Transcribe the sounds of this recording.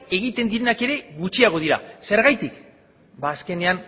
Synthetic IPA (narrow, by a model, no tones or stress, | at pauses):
e̞ɣ̞it̪end̪iɾe̞nake̞ɾe̞ɣut͡ʃiaɣ̞o̞ðiɾa̰se̞ɾɣajt̪ik | baːske̞ne̞an